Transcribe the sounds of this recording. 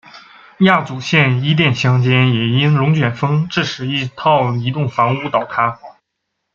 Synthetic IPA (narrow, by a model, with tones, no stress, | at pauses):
ja˥˩t͡su˨˩ɕjɛ˥˩ni˥t̪̬jɛ˥˩nɕjɑ˥ŋt͡ɕjɛ˥njɛ˨˩i˥nɻʊ˧˥ŋt͡ɕɥɛ˨˩nfɤ˥ŋʈ͡ʂɻ̩˥˩ʂɻ̩˨˩i˥˩t̪ʰɑ˥˩ʊi˧˥t̪ʊ˥˩ŋfɑ˧˥ŋu˧˥t̪ɑ˨˩ʊt̪ʰa˥